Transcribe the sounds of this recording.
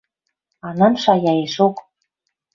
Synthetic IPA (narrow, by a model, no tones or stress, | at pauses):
ɑnɑmʃɑjɑeʃok